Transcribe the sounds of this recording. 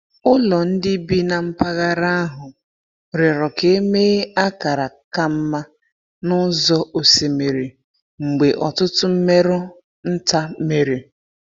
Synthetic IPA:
ʊ˦lɔ˨n̩˦dɪ˦bi˦na˨m̩˦pa˦ɣa˦ɾa˦a˦ɦʊ˨ | ɾɪ˨ɾɔ˨ke˦e˦meː˦a˦ka˨ɾa˨ka˦m̩˦ma˦ | nʊ˦zɔ˦ʔo˨se˨me˨ɾe˨ | ŋ͡m̩˨ɡ͡be˨ʔɔ˨tʊ˦tʊ˦m̩˦me˦ɾʊ˦ | n̩˦ta˦me˨ɾe˨

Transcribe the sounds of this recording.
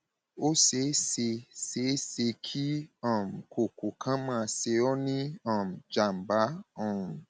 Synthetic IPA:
o˦se˨˦se˧se˨˦se˧kʰi˦ã˦˨m̩˨kʰo˨ko˨kʰã˦mãː˦˧se˧ɔ˦nĩ˦ã˦˨m̩˨d͡ʒa˨m̩˨ba˨˦ɔ̃˦˨

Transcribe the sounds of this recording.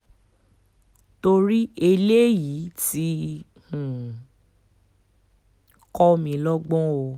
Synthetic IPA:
to˧ɾi˦e˧le˦ji˨˦ti˦ | hũ˨ | kɔ˦mĩ˧lɔ˦ɡ͡bɔ̃˦o˧

